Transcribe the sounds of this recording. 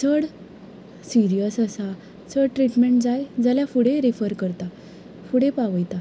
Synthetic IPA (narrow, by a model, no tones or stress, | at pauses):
t͡sʰəɽ | siɾijəsəsa | t͡səɽʈɾiʈmeɳʈd͡zajd͡zaljafuɽeɾifəɾkəɾt̪a | fuɽepaʋəjt̪a